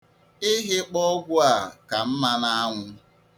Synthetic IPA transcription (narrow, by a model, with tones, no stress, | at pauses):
ɪ˦ɦɪ˦k͡pɔ˦ɡʷʊ˦a˨ka˨m̩˦ma˦na˦a˦ŋʷʊ˦